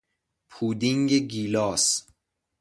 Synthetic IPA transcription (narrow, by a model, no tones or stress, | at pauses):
pʰuːd̪iŋɡeɡiːlɒːs